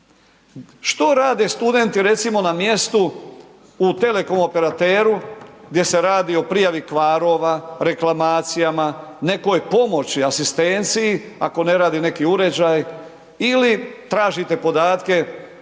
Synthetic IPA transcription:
ʃt̪o̞ɾaːd̪e̞st̪ud̪e̞nt̪iɾe̞t̪simo̞namje̞st̪uː | t̪e̞le̞ko̞mo̞pe̞ɾat̪eːɾuɡ̚d̪je̞se̞ɾaːd̪io̞pɾijaʋikʋaːɾo̞ʋaɾe̞klamaːt̪sijamane̞ko̞jpo̞mo̞t͡ɕiasist̪e̞nt̪sijia̰ko̞ne̞ɾaːd̪ine̞kiuɾe̞d͡ʑaj | ilit̪ɾaːʒit̪e̞po̞d̪aːt̪ke̞

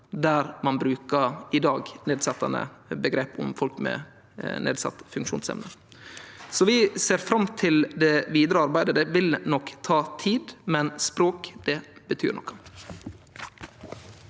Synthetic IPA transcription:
d̪æɾmɑnbɾʉːkəɪd̪ɑːɡneːd̪sɑt̪ːɑnə̰bəɡɾeːpʊ̰mfɔlkmɛ̰ | nḛːd̪sɑ̰t̪ːfʉŋkʃṵːnsɛ̰mnə | sɔʋɪseːɾfɾɑmt̪ʰɪld̪ɛʋiːd̪ɾəɑɾbæɪd̪əd̪ɛʋɪlnɔkt̪ʰɑːt̪ʰiːd̪mɛnspɾoːkd̪̥ɛbət̪ʰy̰ːɾɳɔ̰kːɑ̥

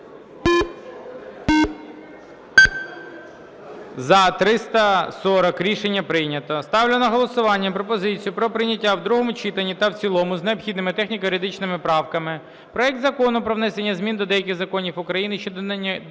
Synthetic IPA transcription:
zɐt̪ɾɪst̪ɐsɔɾɔkɾʲiʃenʲːɐpɾɪjnʲɐt̪ɔst̪ɑwlʲɪnɐɦɔlˠɔsʊʋɑnʲːɐpɾɔpɔzɪt͡sʲijʊpɾɔpɾɪjnʲɐtʲːawd̪ɾuɦɔmʊt͡ʃit̪enʲːit̪ɐwt͡sʲilˠɔmʊzneɔpxʲid̪nɪmɪt̪ɛxnʲikɐjʊɾʲɪd̪ɪt͡ʃnɪmɪpɾɑwkɐmɪ | pɾɔɛk̚t̪zɐkɔnʊpɾɔwnɛsenʲːɐzmʲind̪ɔd̪ɛjɐkʲɪɣzɐkɔnʲiwʊkɾɐjinɪʃt͡ʃɔd̪

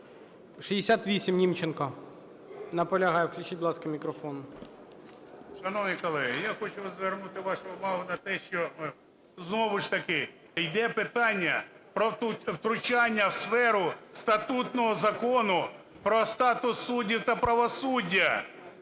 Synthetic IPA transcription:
ʃiɪsʲat̪ʋʲisʲimnʲimt͡ʃenkɐ | nɐpɔlʲɐɦɑjɛwklʲʊt͡ʃit̚ʲblˠɑskɐmʲikɾɔfɔnʊ | ʃɐnɔʋnijkɔlˠɛɦɪjaxɔt͡ʃʊzʋernut̪ɪʋɑʃʊʊmɑɦʊnɐt̪ɛʃt͡ʃɔ | znɔʋʊʃt̪ɐkɪ | jd̪ɛpɪt̪ɑnʲːɐ | pɾɔt̪ʊwt̪ɾʊt͡ʃɑnʲːɐwsfɛɾʊst̪ɐt̪ut̪nɔɦɔzɐkɔnʊ | pɾɔst̪ɑt̪ʊsːudʲiwt̪ɐpɾɐʋɔsudʲːɐ

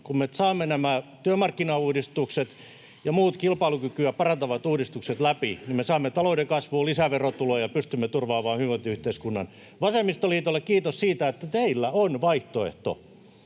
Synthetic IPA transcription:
kummesɑːmːenæmæt̪yømɑrkːinɑuːdist̪ukset̪ | jɑmuːt̪kilpɑilukykyæpɑrɑnt̪ɑʋɑt̪uːdist̪ukset̪læpinimesɑːmːet̪ɑloudekɑsʋuːlisæʋerot̪ulojɑpyst̪ymːet̪urʋɑːmɑːhyʋot̪yht̪eiskunːɑn | ʋɑsemːist̪oliːt̪olːekkiːt̪ossiːt̪æet̪ːæt̪eilːæonʋɑiht̪oḛht̪o̰

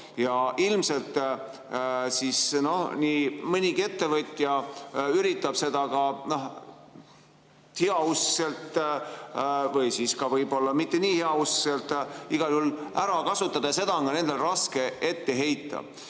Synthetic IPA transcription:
jɑʔilmse̞lt̪ːˑ | sisno̞hniːmɤnʲiɡie̞t̪ːe̞vɤt̪ʲːjɑyɾit̪ːˑɑb̥se̞d̪̥ɑkɑnoh | heɑusse̞lt̪ˑ | vɤjsiːskɑvɤjbo̞lːɑmit̪ːe̞niːheɑusselt̪ːˑiɡ̥ɑljhulʔæɾɑkɑsut̪ːˑɑd̪̥ɑse̞d̪ɑŋɡɑne̞nd̪̥e̞lrɑske̞e̞t̪ːe̞ɦe̞jt̪ːˑɑ̰

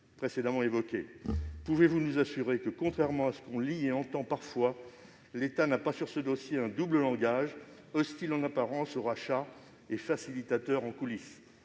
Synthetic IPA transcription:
pχesed̪amɑ̃evɔkʲepuvevunuzasyʁekəkɔ̃t̪χɛʁmɑ̃asə̥kɔ̃lieɑ̃t̪ɑ̃paʁfwa | let̪anapasyʁsəd̪osjeɛ̃d̪ubləlɑ̃ɡaʒ | ɔst̪ilɑ̃napaʁɑ̃soʁaʃa | efasilit̪at̪œʁɑ̃kulis

